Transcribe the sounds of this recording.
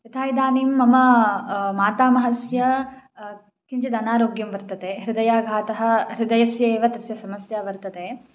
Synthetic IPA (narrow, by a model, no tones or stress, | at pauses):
t̪it̪ʰaːjd̪aːniːmːɐmɐ | maːt̪aːmɐɦɐsjɐ | kiɲt͡ʃɐd̪ɐnaːɾoːɡjɐmʋɐɾt̪ɐt̪eːɦɾɪd̪ɐjaːɡʱaːt̪ɐɦɐ̆ɦɾɪd̪ɐjɐsjɐeːʋɐt̪ɐsjɐsɐmɐsjaːʋɐɾt̪ɐt̪eː